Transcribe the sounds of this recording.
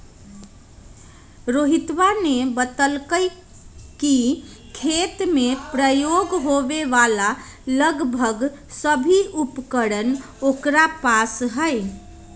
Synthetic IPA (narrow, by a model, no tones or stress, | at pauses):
ɾoɦit̪ʋanebət̪əlkəɪ | kikʰet̪mepɾəjoɡɦobeʋalaləɡbʱəɡsəbʱiupkəɾən | okɾapasɦəɪ